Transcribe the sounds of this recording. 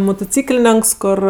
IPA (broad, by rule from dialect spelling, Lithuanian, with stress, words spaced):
mʊtʊˈt͡sʲiːklʲeːnʲɛŋks ˈkoːr